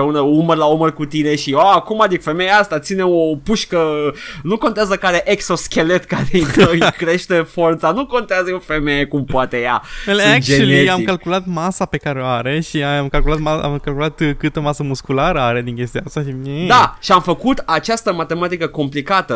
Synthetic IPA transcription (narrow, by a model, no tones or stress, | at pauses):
eunəumərlaumərkut̪ine̞ʃiakumad̪ikfe̞mejeast̪at̪sine̞opuʃkənuko̞nt̪eazəkaɾe̞ʔekso̞skʲe̞le̞t̪kaɾeiɾojokɾe̞ʃt̪e̞fo̞rt̪sanuko̞nt̪eazəofe̞mejekumpoat̪e̞jaelad͡ʒeeleamikalkulat̪masape̞kaɾeoaɾe̞ʃiamkalkulat̪maa̰mkalkulat̪kɨt̪əmasəmuskulaɾəaɾe̞d̪inkʲe̞st̪ijaast̪aʃimed̪aʃiamfəkut̪at͡ʃast̪əmat̪e̞mat̪ikəko̞mplikat̪ə